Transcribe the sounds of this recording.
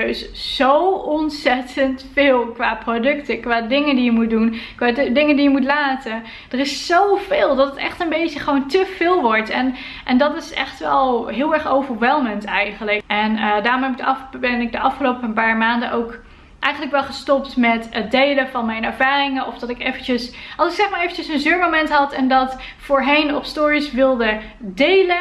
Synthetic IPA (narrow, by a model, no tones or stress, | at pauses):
sz̥owɔnsɛtəntfɪːlˠkʋaːprodɵktəkʋaːdɪŋədijəmut̚dunkʋaːddɪŋəndijəmutlaːtə | d̥ərɪssowv̥ɪːlˠdɑtətɛ̰χtənbejtəχəʋowntəv̥ɪːlˠʋɔɹtɛn | ʔɛndɑtɪsɛ̰χtʋɛlˠɦɪːlˠɛɹχowvəɹʋɛlˠməntɛjχənləkʔɛndaːrɔmɛbɪɡdəɑbɛnɪɡ̚dəʔɑfχəlowpəənpaːɹmaːndənʔowk | ʔɛjχənləkʋɛlˠχəstɔptmɛtədejləvɑnmɛjnɛɹvaːrɪŋənɔfdɑtɪkejvənt͡ʃəsʔɑlˠsɪksɛχmaːɹejvənt͡ʃəsənzøːɹmomɛntɦɑtɛndɑt | fʊːɹɦejnɔpstɔːɹisʋɪlˠdə | dejlə